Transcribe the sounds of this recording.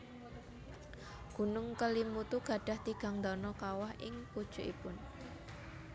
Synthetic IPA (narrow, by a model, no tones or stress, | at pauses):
ɡ̥ṳnʊŋkəlimut̪uɡ̥ä̤ɖ̥a̤ht̪iɡ̥a̤ŋd̪ɔnɔkawahʔɪ̰ŋpud̥ʒ̥o̤ʔḭpʊn